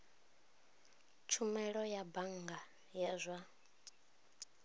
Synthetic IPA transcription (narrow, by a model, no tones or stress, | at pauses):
t͡ʃʰumɛɺɔjabaŋɡa | jazʷa